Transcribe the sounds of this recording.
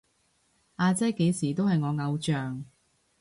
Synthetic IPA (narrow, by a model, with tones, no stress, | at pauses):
ʔaː˧t͡sɐ˥jke˨˧jsiː˨˩t̪o˥whɐ˨jŋɔː˨˧ŋɐ˨˧wt͡ʃœː˨ŋ